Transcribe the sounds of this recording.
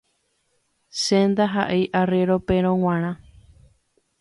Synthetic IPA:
send̪aɦaʔejʔareɾopeɾ̃õw̃ãɾ̃ã

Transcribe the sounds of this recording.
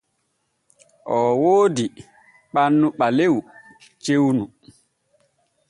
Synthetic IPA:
ʔɔːwoːdi | ɓanːuɓalew | t͡ʃewnu

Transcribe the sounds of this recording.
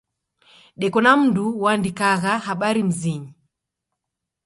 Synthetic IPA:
ɗɛkɔnam̩nduwandikaɣahaɓaɾim̩ziɲi

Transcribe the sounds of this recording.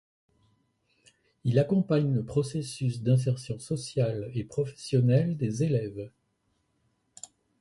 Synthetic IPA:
ilakɔ̃paɲləpχɔsesysd̪ɛ̃s̬ɛʁsjɔ̃sɔsjalepχɔfɛ̥sjɔnɛld̪ezelɛv

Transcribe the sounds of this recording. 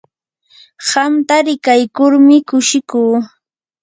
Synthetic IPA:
ɢamt̪aɾɪkajkʊɾmɪkʊʃɪkuː

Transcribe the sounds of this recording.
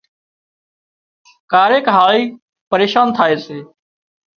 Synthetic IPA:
kaːɾeːkɦaːɭiː | pəɾeːʃaːnt̪ʰaːeːseː

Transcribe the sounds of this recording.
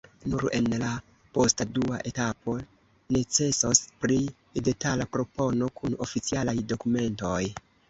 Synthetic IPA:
nuɾe̞̰nla | po̞stadua̰ʔe̞tapo̞ | ne̞t͡se̞sospɾi | de̞talapɾo̞po̞no̞kuno̞fit͡sialajdo̞kume̞nto̞j

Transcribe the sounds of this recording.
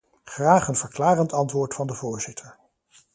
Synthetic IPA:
χraːχənv̥əɹklaːrəntɑntʋʊːɹtfɑndəvʊːɹzɪtʰəɹ

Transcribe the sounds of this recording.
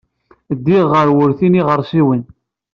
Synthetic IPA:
d̪ːiʁːəɾwəɾθiniʁəɾˤsiwən

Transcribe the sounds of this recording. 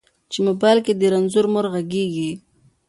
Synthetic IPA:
t͡ʃemobajlked̪əɾanzuɾmʊɾɣaɡeɡi

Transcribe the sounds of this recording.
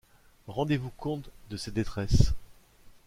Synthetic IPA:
ʁɑ̃d̪evukɔ̃t̪d̪əsed̪et̪χɛs

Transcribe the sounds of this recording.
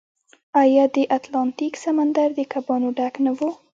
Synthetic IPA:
ajɑd̪əʔat̪lɑnt̪iksamand̪aɾd̪əkabɑnoɖaknawu

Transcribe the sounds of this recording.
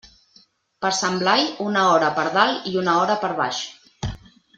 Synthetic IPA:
pəɾsəmblajunəɔɾəpəɾðaliunəɔɾəpəɾβa̰ʃ

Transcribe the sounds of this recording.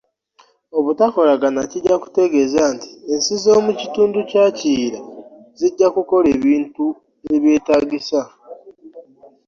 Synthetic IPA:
o̞βutako̞laɡanaciɟːaku̥te̞ɡe̞zaːnti̥ensizo̞ːmucituːnducaːciːɾa | ziɟːakuko̞le̞ːβiːntu | e̞βje̞ːtaːɡisa

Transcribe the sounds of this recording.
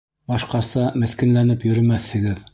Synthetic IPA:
bɑʃqɑsɑmɘ̆θkɘ̆nlænɘpjɵ̆ɾɵ̆mæθhɘ̆ɡɘð

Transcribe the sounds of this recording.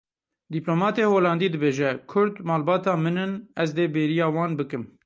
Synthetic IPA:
d̪iploːmɑːt̪eːhoːlɑːnd̪iːd̪ɨbeːʒɛkʰʊɾd̪mɑːlbɑːt̪ɑːmɨnɨnɛzd̪eːbeːɾijɑːwɑːnbɨkɨm

